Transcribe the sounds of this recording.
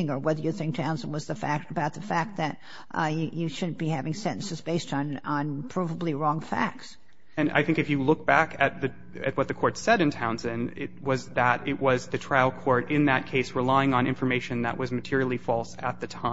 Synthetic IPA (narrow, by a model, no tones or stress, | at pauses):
ɪ̃ŋə˞wɛðə˞jɨθɪ̃ŋk̚tʰãʊ̃nsə̃n̩wʌzðɨfæ̰k̚tɨbaʊt̪̚ðɨfæk̚t̪̚ðɨt̚ | jjɨʃʊdⁿn̩b̥ihævɪ̃ŋsɛ̃ʔn̩sɨzbeɪstñ̩npʰɹ̥ɑvəbliɹɔ̃ŋfæ̰k̚ts | ɨ̃na̰ɪθɪ̃ŋkɨfjɨlʊk̚b̥ækɨt̪̚ðɨ | ɨ̰t̚wʌt̪̚ðɨkʰɔɹtsɛɾɨ̃ntʰãʊ̃nzɨ̃nɪ̰t̚wʌzðəɾɪt̚wʌzðɨtʰɹ̥aɪl̩ˠkʰɔɹɾɪ̃nðɨt̚kʰeɪsɹəlaɪɪ̃ŋə̃nɪ̰̃ɱfə˞meɪʃɨ̃nðə̰ʔwʔʌzmɨtʰɪɹil̩ˠifɔlˠsə̰t̪̚ðɨtʰã